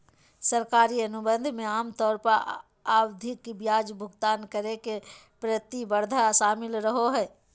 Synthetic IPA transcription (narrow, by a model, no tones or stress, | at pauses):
səɾkaːɾiɐnʊbə̃nd̪ʱmẽaːmt̪ɔːɾpəɾ | aːwd̪ʱɪkbjaːd͡ʒbʱʊɡt̪aːnkəɾekepɾət̪ibəɾd̪ʱaʃaːmɪlɾəɦoɦɛː